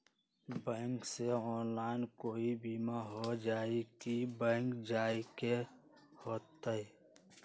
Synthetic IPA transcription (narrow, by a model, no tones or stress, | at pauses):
bə̃ŋkseɔːnlaːɪnkoːibimaɦod͡ʒaːikibə̃ŋkd͡ʒaːike | hoːt̪ːəe